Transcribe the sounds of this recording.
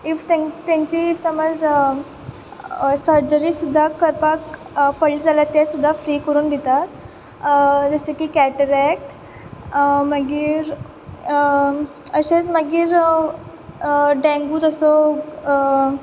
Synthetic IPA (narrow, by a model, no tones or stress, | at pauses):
ift̪ẽt̪jãɲt͡ɕiːfsəməd͡z | səɾd͡ʑəɾisud̪ʱːakəɾpakpəɽlid͡zalat̪ːɛsud̪ʱːafɾiːkəɾuːnd̪ʱet̪at̪ | d͡zəsokiːkæʈəɾɛk̚ʈ | məɡiːɾ | əɕẽt͡sməɡiːɾ | ɖɛ̃ŋɡuːd͡z̪əsɔ